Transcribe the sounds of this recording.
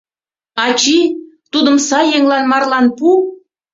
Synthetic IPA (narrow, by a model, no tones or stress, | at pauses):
ɑt͡ɕit̪ud̪əmsɑjːeŋlɑnmɑrlɑnpu